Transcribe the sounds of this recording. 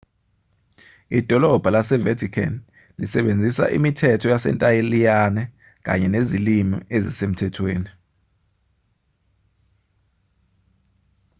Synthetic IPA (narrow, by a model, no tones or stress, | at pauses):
id̥ʱɔlɔb̥ʱalasɛvetʰikʰɛ̰n | lisɛɓend͡zʱisa̰ʔḭmitʰɛtʰɔjasɛ̰ntʼajelijanɛ | k̬ʼa̰ɲɛnezilimḭezisem̩tʰɛtʰweːni